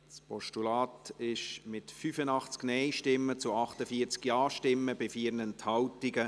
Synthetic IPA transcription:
spʰɔʃtulɑːtɪʃmɪtfyfənɑχt͡sknɛɪʃtɪmːət͡sʊɑχtəfiːəɾt͡skjɑːʃtɪmːəbɪfiːɾnɛnthɑwtiɡə

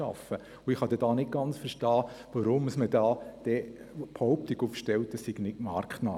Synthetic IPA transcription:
ɑ̰fə | ʊɪχhɑd̥ɛd̥ɑːnɪt̚ɡ̥ɑnt͡sfəɾʃtɑːʋɑɾʊməsməd̥ɑːd̥ɛ | pʰhɔʊp̚tɪɡufʃtɛwt̚dɑsːiɡ̥nɪtmɑːɾkχtnɑː

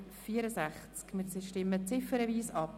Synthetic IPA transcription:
fiːəɾəsæχt͡skmɪsʃtɪmət͡sɪfəɾəviːsɑp

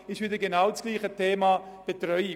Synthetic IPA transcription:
ɪʃʋɪdəɡenaʊt͡sɡ̥liːχətʰeːmɑb̥etɾœʏi

